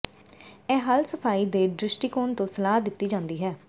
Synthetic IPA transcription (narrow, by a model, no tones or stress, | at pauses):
ɛːɦəlsəpʰaːiːd̪eːɖɾɪsʈiːkoːnt̪õːsəlaːd̪ɪt̪ːiːd͡ʒãːnd̪iːɦɛː